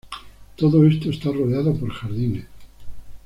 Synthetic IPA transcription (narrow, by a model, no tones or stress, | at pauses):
t̪oðoe̞st̪oest̪aroðeaðopo̞ɾxaɾðines